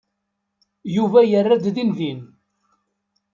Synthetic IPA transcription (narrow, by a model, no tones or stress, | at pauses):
juvæjərːæd̪ðinvin